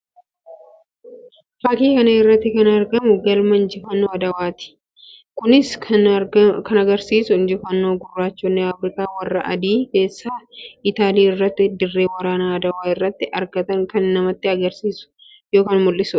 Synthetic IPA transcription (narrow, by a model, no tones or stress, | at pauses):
fɐkiːkɐnɐɪrːɐt̪ːɪkɐnɐɾɡɐmʊɡɐlmɐnd͡ʒɪfɐnːoːɐd̪ɐwaːt̪ɪ̥ | kʊnɪsʰ | kɐnɐɡɐɾsiːsʊnd͡ʒɪfɐnːoːɡʊrːaːt͡ʃːoːnːɛaːfɾɪkaːwɐrːɐʔɐ̰d̪iːke̞ːsːaːɪt̪aːliːɪrːɐt̪ːɪd̪ɪrːe̞ːwɐɾaːnaːɐd̪ɐwaːɪrːɐt̪ːɪʔɐɾɡɐt̪ɐŋkɐnːɐmɐt̪ːɪɐɡɐɾsiːsʊ̥ | joːkaːnmʊlːɪsʊᶑɐ̥